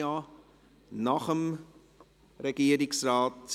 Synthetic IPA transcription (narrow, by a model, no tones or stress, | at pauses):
ɑː | nɑχəm | rəkiəɾiksrɑːt̚